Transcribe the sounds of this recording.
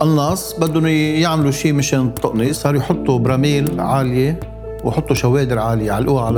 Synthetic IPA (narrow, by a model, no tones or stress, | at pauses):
ʔɪnːɑːsˤbad̪ːʊnujaʕmluʃiːmɪʃeːnt̪ˤːʊʔnisˤɑːɾˤjħʊt̪ˤːubɾˤɑmiːlʕaːlje | wjħʊt̪ˤːuʃaweːd̪ɪɾʕaːljeʕalʔuːaʕal